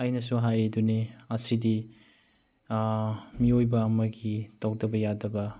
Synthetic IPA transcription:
ɐjnɐsuɦajeduniɐsidi | miojbɐːmɐɡitawk̚dɐbɐjadɐbɐ

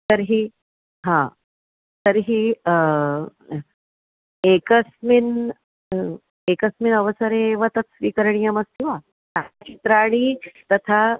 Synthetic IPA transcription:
t̪əɾɦi | ɦã | t̪əɾɦi | ekəsmin | ekəsminəʋəsəɾeʋət̪ət͡ssʋiːkəɾɳijəməst̪iʋa | t̪at͡ʃit̪ɾaɽ̃it̪ɐt̪ʰa

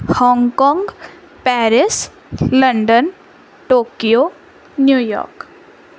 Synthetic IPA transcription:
hɔŋɡkɔŋɡ | pɛɾis | ləɳɖən | ʈokijo | njujɔ̰ɾk

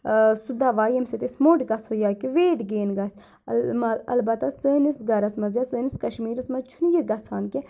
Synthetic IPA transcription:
sud̪aʋaːjemset̪esmoːʈɡɐshojaːkiʋeːʈɡeːnɡɐs | mɐɐ̰lbɐt̪ːasəːnisɡɐɾɐsmɐzjasəːniskɐʃmiːɾɐsmɐzt͡ʃʰunijiɡɐsʰaːnke

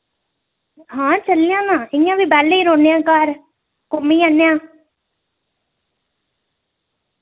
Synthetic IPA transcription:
ɦãːt͡ʃəljãːnãːɪjãːʋiːbɛːlːeiːɾoːnejãːkaɾ | kʊmĩːaːnejãː

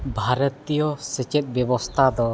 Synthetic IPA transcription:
bʱaɾət̪ijɔsɛt͡ʃɛt̪̚bɛbɔst̪ʰad̪ɔ

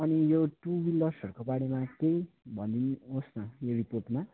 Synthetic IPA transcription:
ʌnijoʈubilːʌsʌrkobaɽemakejbʱʌnd̪inosnʌjoriporʈma

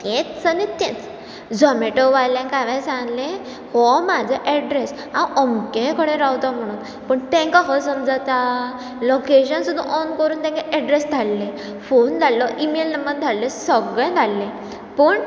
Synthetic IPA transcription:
t̪ɛ̃t͡ssənet̪ɛ̃t͡s | d͡zɔmeʈɔʋajlãkaʋãsãŋlẽ | hɔmad͡zʱəʔɛɖɾes | ãwʔɔmkẽkəɽẽɾawt̪ɔ̃m̤əɽ̃uːn | pəɳt̪ɛ̃ŋkaɦɔsəmd͡zat̪a | lokeɕənsud̪ʱːə̃ʔɔnkəɾuːnt̪ɛ̃ŋkaʔɛɖɾesd̪ʱallẽ | fond͡z̪ʱalːɔʔimelnəmbəɾd̪ʱalːẽsəɡəjd̪ʱalːẽ | pəːɳ

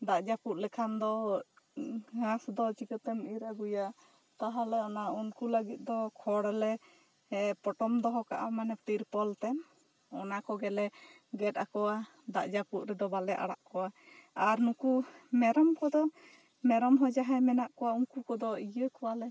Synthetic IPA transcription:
d̪aʔd͡ʒaput̪̚ˀlɛkʰand̪ɔ | ɡasd̪ɔt͡ʃikət̪ɛmiɾaɡuja | t̪aɦalɛɔnaunkuləɡit̪̚d̪ɔkʰɔɽɛlɛ | ɛpɔʈɔmd̪ɔɦɔkaʔamanɛpiɾpɔlt̪ɛm | ɔnakɔɡɛlɛ | ɡɛt̪akɔwa | d̪a̰ʔd͡ʒaput̪ɾɛd̪ɔbalɛʔa̰ɽa̰ʔkɔwaaɾnukumɛɾɔmkɔd̪ɔ | mɛɾɔmɦɔd͡ʒaɦɛmɛnaʔkɔwauŋkukɔd̪ɔijəkɔwalɛ

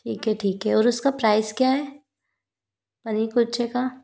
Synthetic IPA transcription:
ʈʰiːkɦɛʈʰiːkɦɛɔːɾʊskapɾaːɪskjaːɦɛː | pɐnikʊt͡ʃeka

